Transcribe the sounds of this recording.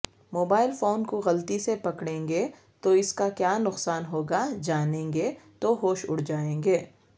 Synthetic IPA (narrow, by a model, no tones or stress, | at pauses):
moːbaːɪlfoːnkoɣɐlt̪isepɐkɽẽːŋɡe | t̪oɪskakjaːnʊqsaːnɦoːɡad͡ʒaːnẽːŋɡet̪oɦoːʃʊ̰ɽ̤d͡ʒaːẽːŋɡeː